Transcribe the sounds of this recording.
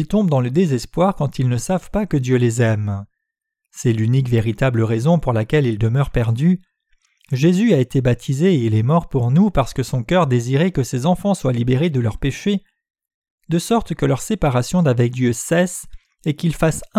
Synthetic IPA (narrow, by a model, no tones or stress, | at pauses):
ilt̪ɔ̃bd̪ɑ̃ləd̪ezɛspwaʁkɑ̃t̪ilnəsavpakəd̪jølezɛm | sɛlynikveʁit̪abləʁezɔ̃puʁlakʲɛlild̪əmœʁpɛʁd̪y | ʒezyaet̪ebat̪ʰizeːilɛmɔʁpuʁnupaʁsə̥kəsɔ̃kʲœʁd̪eziʁekəsezɑ̃fɑ̃swalibeʁed̪əlœʁpeʃe | d̪əsɔʁt̪kəlœʁsepaʁasjɔ̃d̪avɛk̚d̪jøsɛs | ekilfas